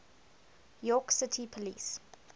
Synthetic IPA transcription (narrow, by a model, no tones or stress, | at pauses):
jɔˑksɪtʰipʰəlḭːs